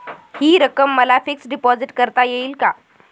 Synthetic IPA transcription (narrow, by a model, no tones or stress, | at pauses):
hiːɾəkəmːəlafiksɖipɔd͡ziʈkəɾt̪ajeiːlka